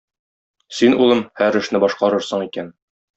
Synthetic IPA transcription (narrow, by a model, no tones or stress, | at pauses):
sinulˠɤmhæɾɘ̆ʃnɘbɒʃqɑɾɤɾsɤ̆ɴikæn